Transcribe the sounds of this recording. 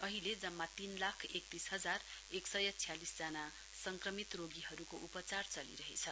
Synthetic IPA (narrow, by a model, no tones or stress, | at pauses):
ʌɦiled͡zʌmːat̪inlakʰek̚t̪isɦʌd͡zareksʌjʌt͡sʰijalisd͡zana | sʌŋkrʌmit̪roɡiɦʌɾukoʔupʌt͡sart͡sʌlḭɾʌɦḛt͡sʰʌ